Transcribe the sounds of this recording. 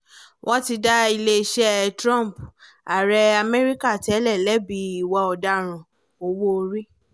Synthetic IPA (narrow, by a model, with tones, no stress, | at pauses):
wʔɔ̃˦ti˧da˦i˧le˦˧ʃɛ˦tɾɔ̃˦˨m˨p | a˨ɾɛ˧a˧mɛ˦ɾi˦ka˦˨ti˦ɛ˦lɛ˦˨lɛ˨˦bi˨˦i˨wɔ˧ɔ˨da˧ɾ̃ũ˨ | o˧wo˦˧ɾi˦